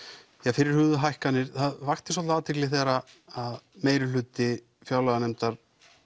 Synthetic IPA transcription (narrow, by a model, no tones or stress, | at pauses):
jɛɣfɪɾɪɾ̥hʏːðʏɦajhkanːɪɾ̥θaðvaxt̪ɪsɔht̪aaːt̪ʰɪklɪθɛːɾa | aðmeːjɾɪlʏːt̪ɪ | fjaːwlaɣanɛmt̪aɾ̥